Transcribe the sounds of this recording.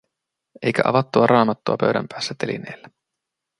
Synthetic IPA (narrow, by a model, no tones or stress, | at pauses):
e̞jk̟æʔɑ̰ʋɑt̪ːuɑɾʔɑːmɑt̪ːuɑpøɥdæ̰mpæːsːæt̪elḭnḛːlːæ